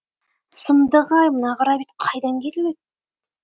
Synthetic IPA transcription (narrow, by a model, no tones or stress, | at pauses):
sʊmd̪əʁɑjmənɑʁəɾɑbit̪qʰɑjd̪ɑŋkʲʰeɾɪlet̪̚